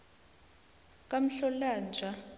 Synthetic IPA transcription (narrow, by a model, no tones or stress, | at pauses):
kʼam̩ɬɔlaːnd͡ʒʱa